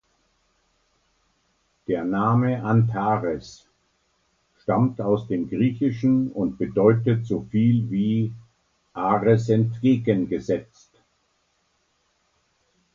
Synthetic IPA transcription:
d̥eːɐnaːməʔantʰaːʁɛs | ʃtamtaʊsd̥eːmɡʁiːçɪʃn̩ʊntb̥ədɔʏtətz̥oːfiːlviː | ʔaːʁɛsɛntɡ̥eːɡənɡəzɛt͡st

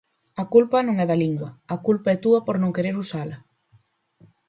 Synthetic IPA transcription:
ɐkulpɐnõŋɛðɐliŋɡwɐːkulpaɛt̪uɐpoɾnõŋkeɾeɾusalɐ

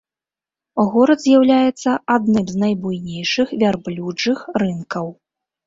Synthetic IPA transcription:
ɣɔɾɐd̪zʲjawlʲajɛt̪sːɐad̪̚nɨmznɐjbujnʲejʂɨxvʲarblʲuʐɨxrɨnkɐw

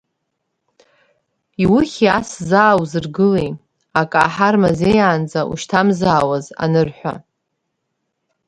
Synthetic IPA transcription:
iwɨχʲiaszaːwzɨrɡɨlej | akʼa̰ħarmazejaːnd͡zaʔṵʃtʰamzaːwaza̰nɨrħʷa̰

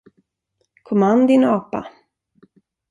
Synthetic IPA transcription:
kʰɔmand̪ɪnɑːpa̰

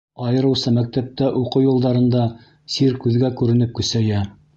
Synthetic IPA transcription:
ɑjɤ̆ɾɤ̆wsɤmæk̚t̪æp̚t̪æʔuqɤwjulˠd̪ɑɾɤ̆nd̪ɑ | siɾkʉðɡækʉɾɘ̆nɘp̚kɵ̆sæjæ

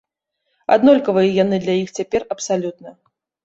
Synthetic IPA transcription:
a̰d̪nɔlʲkɐvɐjɐjanɨd̪lʲajixt͡sʲapʲɛrɐpsalʲut̪nɐ

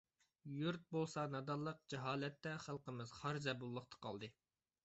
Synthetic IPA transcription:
juɾt̪̚bolˠsɑnɑd̪ɑlˠːəq̚d͡ʒɛɦɑːlɛt̪ːɛχælˠqəmɨz̥χɑɾzɛbulˠːəχt̪ʰɑ̥qʰɑ̰lˠd̪ɨ

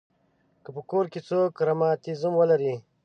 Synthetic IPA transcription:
kəpəkoɾket͡soːkɾamɑːt̪izumwəlaɾi

